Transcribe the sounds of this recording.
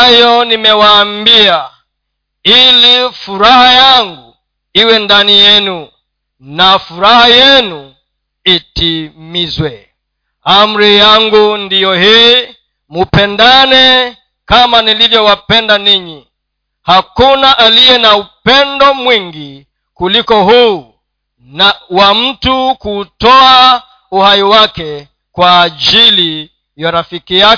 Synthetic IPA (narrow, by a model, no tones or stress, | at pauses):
ajɔnimɛwaːmbia | ilifuɾahajaŋɡu | iwɛndanijɛnu | nafuɾahajɛnu | itimizwɛ | am̩ɾijaŋɡundijɔhiː | mupɛndanɛ | kamanilivjɔwapɛndaniɲi | hakunaʔalijɛnaupɛndɔmwiŋɡi | kulikɔhuː | nawam̩tukuːtɔa | uhaiwakɛ | kwaːʄili | jaɾafikija